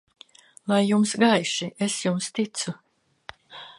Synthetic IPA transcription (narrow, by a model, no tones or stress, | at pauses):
lˠajːumsɡajʃiesjumst̪it̪su